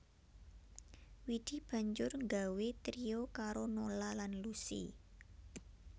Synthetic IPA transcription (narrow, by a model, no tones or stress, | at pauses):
wid̪̥i̤b̥ä̤ɲd͡ʒʊrŋɡawet̪ɾiokaɾonolalanlusḭ